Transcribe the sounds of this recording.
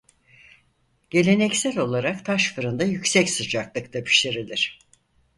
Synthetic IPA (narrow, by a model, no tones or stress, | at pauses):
ɟ̥e̞lʲe̞nɛcsælʲo̞lˠaɾakt̪ʰaʃfɯɾɯnd̪ajycsɛcsɯd͡ʒaklˠɯkt̪ʰapʰi̥ʃt̪ʲeɾilʲiɾ̝̥